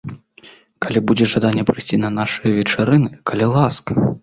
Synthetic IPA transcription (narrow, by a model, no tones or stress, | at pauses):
kalʲibud͡zʲɛʐad̪anʲːɛpɾɨsʲt͡sʲinɐnaʂɨjɐvʲɛt͡ʂaɾɨnɨkɐlʲilˠaskɐ